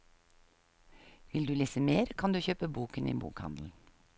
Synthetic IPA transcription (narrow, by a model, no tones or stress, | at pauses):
ʋɪld̪ʉːliːsəmeːɾkʰɑnd̪ʉːçøːpəbuːkənḭːbṵːkhɑ̰nd̪l̩